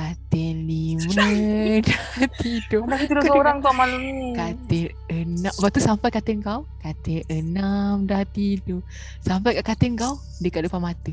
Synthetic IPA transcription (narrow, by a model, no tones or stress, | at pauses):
kat̪ɛnliwədat̪idoaakiudosoɾaŋt̪uaʔmalamɲkat̪ɛ | ənãʔbat̪usampajkat̪ɛŋkawkat̪ɛənamdat̪ido | sampajkaʔkat̪ɪnkaw | dəkaʔdupamat̪ə